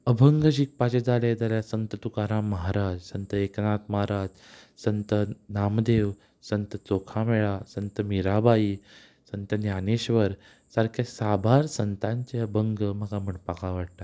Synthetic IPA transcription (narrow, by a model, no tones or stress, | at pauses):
əbʱəŋɡəd͡ʑiːk̚pat͡ɕed͡zaled͡zaljasənt̪ət̪ukaɾãməɦaɾad͡ʑsənt̪əeknat̪məɦaɾad͡ʑ | sənt̪ənamd̪eʋ | sənt̪ət͡sokʰameɭasənt̪əmiɾabaiː | sənt̪ənjaneɕʋəɾ | saɾkʰjasabʱaɾsənt̪ãɲt͡ɕeəbʱəŋɡm̤əɡam̤əɳpakaʋaɽ̚t̪a